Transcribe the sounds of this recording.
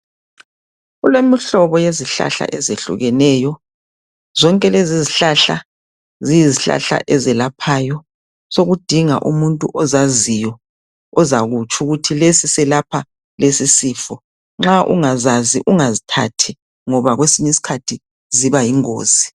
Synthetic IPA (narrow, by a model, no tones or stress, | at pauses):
ulemiɬɔβɔjeziɬa̰ɬa̰ʔɛzeɬṵɣɛnɛjɔ | zɔŋkʼɛleziziɬaɬa | zijiziɬa̰ɬa̰ʔɛzɛlapʰaːjɔ | soɣud̥ʱiŋa̰ʔumuntʼuʔɔzazijɔ | ɔzaɣut͡ʃʼuɣutʰilesisɛlapʰa | lesisiːfɔ | ŋ͡ǁaʔṵŋazaziʔuŋazitʰatʰi | ŋɔβaɣwesiɲisi̥kʰatʰi | ziβajiŋo̰ːz̥i